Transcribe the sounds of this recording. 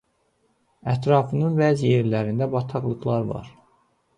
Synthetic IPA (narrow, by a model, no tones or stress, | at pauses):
æt̪ʰɾɑfɯnɯnvæzje̞ɾlæɾind̪æbɑt̪ʰɑɣlˠɯɣlˠɑɾvɑ̰ɾ